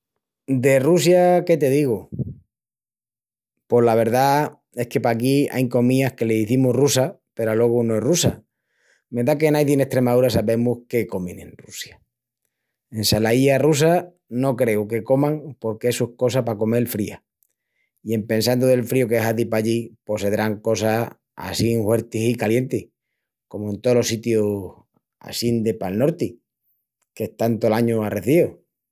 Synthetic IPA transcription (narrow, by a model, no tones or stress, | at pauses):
d̪e̞rusjake̞t̪e̞ðiɣo | po̞laβ̞e̞ɾða | e̞hke̞pakia̰jko̞mĩahke̞le̞ðiθimuhrusa | pe̞ɾalwe̞ɣ̞unoerusa̰ | me̞nd̪ake̞najðine̞ht̪ɾe̞maðuɾasaβe̞muhke̞ko̞mḛ̃nḛ̃nrusja | e̞nsalaiarus̬a | no̞kɾe̞uke̞ko̞maŋpo̞ɾkesuhko̞sapako̞me̞lfɾia̰ | ie̞mpe̞ns̬and̪oðe̞lfɾiokeɦaðipaʎipo̞se̞ðɾaŋko̞sa | a̰siŋhwe̞ɾt̪isikalje̞nt̪ih | ko̞moent̪oolo̞sit̪jo | a̰sind̪epalno̞ɾt̪i | keht̪ant̪o̞laɲoare̞θio